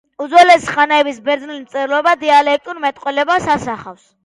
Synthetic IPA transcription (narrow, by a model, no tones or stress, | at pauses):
ud̪zɔlɛsi̥χanaɛbisbɛɾd̪znilmt̪sʼɛɾlˠɔbad̪ialɛk̚ʼt̪ʼuɾmɛt̪ʼqʼwɛlɛbasasaχafs